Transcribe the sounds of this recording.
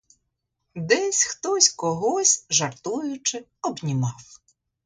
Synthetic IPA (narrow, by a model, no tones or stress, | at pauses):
d̪ɛsʲxt̪ɔsʲkɔɦɔsʲʒɐrt̪ujʊt͡ʃɪ | ɔbnʲimɑw